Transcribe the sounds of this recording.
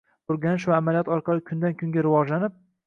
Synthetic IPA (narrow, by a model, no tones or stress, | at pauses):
ʊɾɡʲanɪʃvaːmalijɒt̪ɒɾqʰɑlˠɪkʲʰʊnd̪ankʲʰʊŋɡʲaɾɪvɒʒlanɪp̚